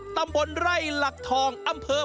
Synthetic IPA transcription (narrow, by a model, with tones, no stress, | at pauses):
t̪a˧mbo˧nɾa˥˩jla˨˩k̚t̪ʰɔː˧ŋʔʔa˧mpʰɤː˧